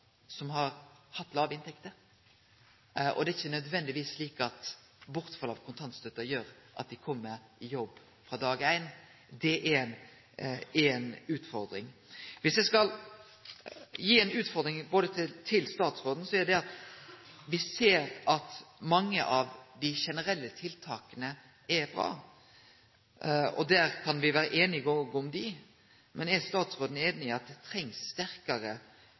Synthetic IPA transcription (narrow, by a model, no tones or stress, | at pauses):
sɔmɦɑɾhɑt̪ːlɑːʋəɪnt̪ʰɛkt̪əɾ | ʔɔ̰d̪ɛæɪçːənœd̪ʋɛnd̪ɪʋiːsliːkɑt̪ | bʊɾt̪fɑlɑʋkʰʊnt̪ʰɑnt̪st̪œt̪ːəɾjøːɾʔɑ̰t̪̚d̪ɪkʰɔmːəɾɪjɔbː | fɾɑd̪ɑːɡæɪn | d̪ɛʔæn | æɾɛnʉːt̪fɔɾd̪ɾɪŋʋɪsjæɪskɑl | jiːɛnʉːt̪fɔɾd̪ɾɪŋboːd̪ət̪ʰt̪ʰɪlst̪ɑːt̪sʁoːd̪n̩sɔæd̪ɛɑt̪ | ʋɪseːɾɑt̪mɑŋːə̰ʔɑʋd̪ɪʃɛnəɾɛlːət̪ʰɪlt̪ʰɑːkənə | ɛɾbɾɑ̰ː | ɔ̰d̪æːɾkʰɑnʋɪʋæːɾəʔeːnɪɡɔɡɔmd̪ɪ | mʔɛnɛst̪ɑːt̪sʁoːd̪n̩eːnnɪɑt̪̚d̪ɛt̪ʰɾɛŋsːt̪æɾkɑɾə